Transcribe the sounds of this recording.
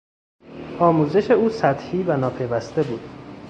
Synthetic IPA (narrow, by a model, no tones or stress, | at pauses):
ʔɒːmuːze̞ʃe̞uːsæt̪hiːvænɒːpʰe̞jvæst̪e̞buːd̪̥